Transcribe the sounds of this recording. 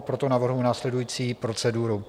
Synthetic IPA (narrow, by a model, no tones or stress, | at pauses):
pɾo̞t̪o̞navr̩ɦunaːslɛdujiːt͡siːpɾo̞t͡sɛduɾu